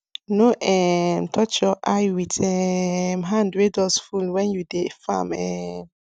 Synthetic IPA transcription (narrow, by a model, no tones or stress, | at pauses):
noʔɛmtʰɔt͡ʃɔʔajwitʰɛmɦãndɹedɔsfulwɛ̃njudefã̰mɛm